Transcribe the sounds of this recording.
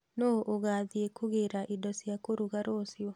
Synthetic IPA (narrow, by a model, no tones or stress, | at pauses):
noʔoɣaðiekuɣeɾaʔidɔsjakoɾuɣaɾoːsjɔ